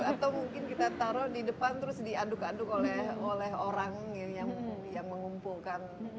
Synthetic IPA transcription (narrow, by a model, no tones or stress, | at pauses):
at̪awmuŋkɪnkit̪at̪aɾɔdidəpant̪əɾʊsdiandʊkandʊkolɛholɛɦoɾaŋjaŋjaŋməŋumpulkan